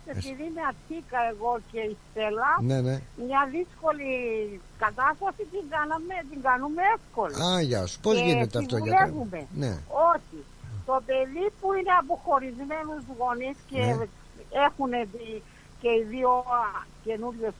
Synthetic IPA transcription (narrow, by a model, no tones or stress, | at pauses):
epiðimɐt̪ʰikɐe̞ɣo̞ceist̪e̞lɐnenemɲɐðisko̞li | kɐt̪ɐst̪ɐsit̪iŋɡɐnɐmet̪̬iŋɡɐnumeefko̞liaʝaspozinet̪eɐulevume̞nḛoçi | t̪o̞pe̞ðipuine̞ɐp̬o̞xo̞ɾizme̞nuzɣo̞nisce | exunet̪i | ce̞iðio̞ce̞nuɾʝes